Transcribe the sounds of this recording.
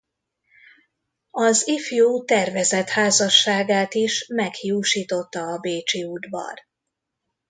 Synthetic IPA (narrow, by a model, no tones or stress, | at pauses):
ɒzifjuːt̪ɛrvɛzɛt̪haːzɒʃːaːɡaːt̪iʃmɛkhjuːʃiːt̪o̞t̪ːɒːbeːt͡ʃiud̪bɒ̰r